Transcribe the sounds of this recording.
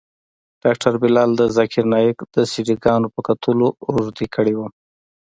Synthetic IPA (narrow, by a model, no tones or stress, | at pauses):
ɖ̥ɑk̚ʈaɾbɪlɑld̪əzakʰɪɾnɑjɪkd̪əsiɖiɡɑnopəkat̪ʰəloɾuzd̪ikʰəɽewu